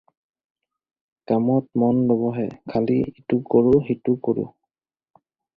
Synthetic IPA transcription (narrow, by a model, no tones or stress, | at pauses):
kamɔt̚mɔnlɔbɔɦɛkʰaliitukoɹʊɦitukoɹʊ̰